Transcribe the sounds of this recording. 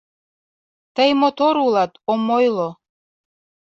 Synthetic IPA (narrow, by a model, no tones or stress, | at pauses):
t̪əjmot̪oɾulˠɑt̪omojlˠo